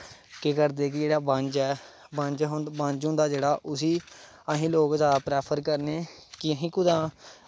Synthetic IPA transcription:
kekəɾd̪eːk̬ɪd͡ʒeːɽaːbə̃ɲd͡ʒɛːbə̃ɲd͡ʒɦbə̃ɲd͡ʒɦʊ̃nd̪aːd͡ʒeːɽaːʔʊsiː | əɦĩːloːkd͡ʒ̪aːpɾɛːpʰəɾkəɾneːkɪəɦĩːkʊd̪ãː

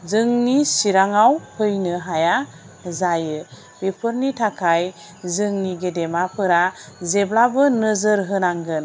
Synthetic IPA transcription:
zɯŋnisiɾaŋawpʰɯjnɯɦaja | zajɯ | bepʰəɾnitʰakʰaj | zɯŋniɡedemapʰɯɾazeblabɯnəzəɾɦɯnaŋɡɯn

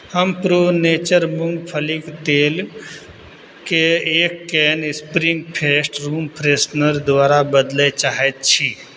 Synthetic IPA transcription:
həmpɾoːneːt͡ʃəɾmʊ̃ŋɡpʰəlikt̪eːl | keeːkːɛːnɪspɾɪŋɡpʰeːsʈɾuːmpʰɾeːsnəɾd̪waːɾabəd̪let͡ʃaːɦet̪t͡ʃʰi

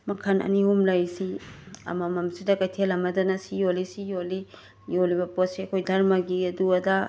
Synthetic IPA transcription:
mɐkʰɐnɐ̰niumlajsiɐ̰mɐmɐmsidɐkɐjtʰelɐmɐdɐnɐsijolisijoli | jolibɐpotsiɐkʰojdʱɐɾmɐɡiɐduɐdɐ

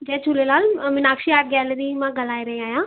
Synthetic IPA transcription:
d͡ʒɛːt͡ʃʰʊlelaːlmɪnaːkʃiaːʈ̚ɡɛːleɾiːmãːɡəlaːiɾəĩaːjãː

